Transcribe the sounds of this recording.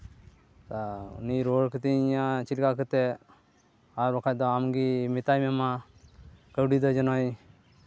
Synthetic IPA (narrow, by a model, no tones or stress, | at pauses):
t̪aṵniɾɔɽkət̪iiɲat͡ʃilkakət̪ɛ | aɾbɔkʰajd̪ɔamɡimit̪ajmɛma | kəwɖid̪ɔd͡ʒɔnɔj